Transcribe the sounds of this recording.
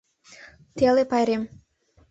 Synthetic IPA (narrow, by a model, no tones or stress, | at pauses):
t̪elepɑjɾem